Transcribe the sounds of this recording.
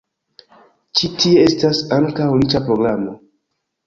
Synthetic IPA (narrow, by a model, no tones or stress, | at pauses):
t͡ʃitʰiee̞stasaŋkawlit͡ʃapɾo̞ɡɾamo̞